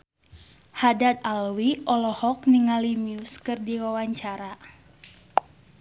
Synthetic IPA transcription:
hadat̪̚alwiʔɔlɔhɔk̚niŋalimiuskɨrdiwawaɲt͡ʃaɾa

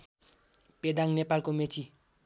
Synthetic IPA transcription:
ped̪aŋnepalkomet͡sʰi

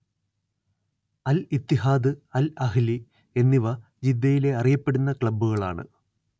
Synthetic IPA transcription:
ɐlit̪ːiɦaːd̪ɨɐlɐɦili | e̞nːiʋɐ | d͡ʑid̪ːɐjile̞ɐrijɐpːe̞ɽunːɐkɭɐbːuɣɐɭaːɳɨ̰

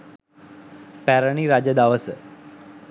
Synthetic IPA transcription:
pɛɾəɳiɾad͡ʒəd̪aʋəsə

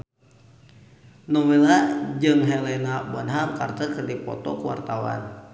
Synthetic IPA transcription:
nɔwelad͡ʒɨŋɦɛlɛnabɔnɦaŋkart̪əkɨrdipɔ̰t̪ɔkuwa̰rt̪awa̰n

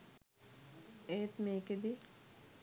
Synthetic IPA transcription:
eːt̪meːked̪i

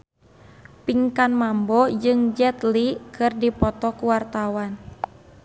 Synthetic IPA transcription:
piŋkanmambɔd͡ʒɨŋd͡ʒɛt̪likʰɨrdipɔt̪ɔkuwart̪awan

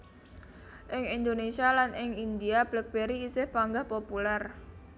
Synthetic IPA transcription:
ʔɪŋind̪onesialanɪŋind̪iab̥lək̚b̥eɾiːsɪhpaŋɡahpopulɛr

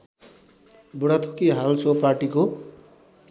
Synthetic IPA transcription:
buɽat̪ʰokiɦalsʰoparʈiko

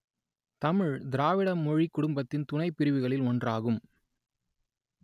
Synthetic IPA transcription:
t̪ɐmɪɻd̪ɪɾaːʋɪɽɐmːɔɻikːʊɽʊmbɐt̪ːɪnt̪ʊnɐɪpːɪɾɪʋɯɣɐɭɪlɔndraːɣɯm

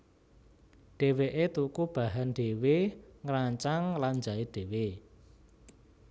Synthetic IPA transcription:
ɖ̥e̤weʔet̪ukub̥a̤ɦanɖ̥eweŋɾaɲt͡ʃaŋlaɲd͡ʒaiɖ̥e̤we

